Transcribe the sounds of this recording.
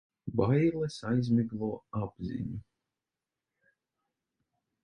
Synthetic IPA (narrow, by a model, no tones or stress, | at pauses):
bajlˠɛsajzmiɡlˠuɔab̥zḭɲu